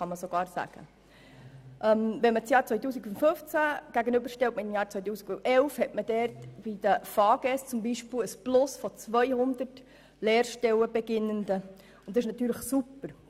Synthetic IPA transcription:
χɑməsoɡ̥ɑːɾsæ̰ɡ̥ə̰ | ʔɛmʋɛnmət͡sjɑːɾt͡sʋœɪt̪uːsiɡʊ̃ntfɵft͡sæɡ̥æɡənʏbəɾʃtɛltməɪmjɑːɾt͡sʋœjt̪̬uːsikʊnɛlfhɛtməd̥ɛɾtb̥id̥̪əfɑːɡ̥ɛst͡sʊmbiʃpɪləsplʊsfɔt͡sʋœjhʊnd̪ət | lɛːɾʃtɛwəbɛɡɪnːənd̪ə | ʊnd̪ɪʃnɑt̪yːɾləχsupəɾ

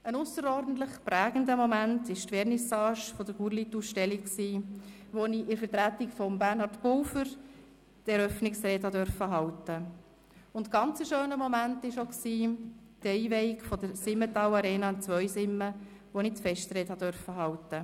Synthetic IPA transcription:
ənʊsəɾɔrdn̩t̪ləχpɾæːɡ̥n̩dəmɔmæntɪʃtʋɛɾnisɑːʃfɔd̥əɾɡ̥uːɾlitusʃtɛlikksiː | ʋoniɪɾfəɾtɾætikfɔmbæɾnhɑɾtpʊwfəɾ | tɛɾœfnɪksɾɛːthɑdœɾfəɦɑwtə | ʊntɡ̥ɑnt͡səʃøːnəmɔmæntɪʃoksiː | d̥ɛiʋɛɪikfɔd̥əɾsɪmːətɑwɑɾɛːnɑɪnt͡sʋœʏsɪmːə | ʋonit͡sfɛʃtɾɛːthɑdœɾfəɦɑwtə

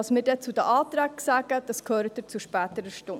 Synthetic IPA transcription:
ɑsmɪːɾdɛt͡sudəʔɑːt̪ɾæːksæːɡ̥əd̥ɑskʰøːɾət̪ɪt͡suʃpæːt̪əɾəʃtʊ

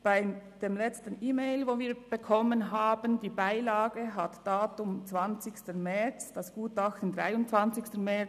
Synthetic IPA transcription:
b̥aɪd̥eːmlɛt͡stən̩ʔiːmeɪlvoːviːɐb̥əkʰɔmənɦaːbəndiːbaɪlaːɡəɦatd̥aːtʊmt͡sv̥ant͡sɪçstəmɛɹt͡sd̥ɑsɡ̥uːtɑxtən̩dʁa̰ɪʊnt͡svɑnt͡sɪçstənmɛ

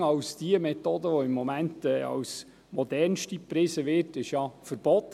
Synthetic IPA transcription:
ɑwsd̥iəmɛtoːdəʋɔɪmːɔmæntɛːɑ̰ws | mɔd̪ɛɾnʃtipɾɪsəʋɪrtɪʃjɑfəɾb̥ɔt̪

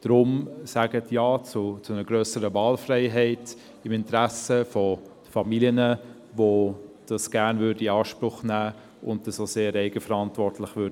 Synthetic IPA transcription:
d̥ɾʊmsæɡ̥ətʰjaːt͡sʊt͡sʊnəɡ̥ɾœːsəɾəvɑːlfrɛɪɦɛɪt | ɪmɪntɾæsəfɔ̥ | fɑmiliənə | ʋod̥ɑsɡ̥æɾnvʏːɾdiɑːʃpɾʊχnæː | ʊntdəsoseːɾɛɪɡəfəɾɑntvɔɾtlɪχʋʏɾdə

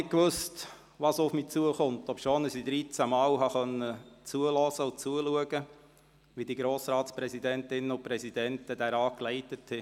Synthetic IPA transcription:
ɪkʋøst | ʋɑsʊfmiːt͡suəχʊntɔpʃoːnəsid̪ɾit͡sæmɑːlɦɑχœnːət͡suəlɔːsəʊt͡suəluəɡə | ʋidiɡɾoːsɾɑːtspɾɛsidɛntɪnəʊpɾɛsidɛntəd̥æɾɑːklɛɪtəthɛ

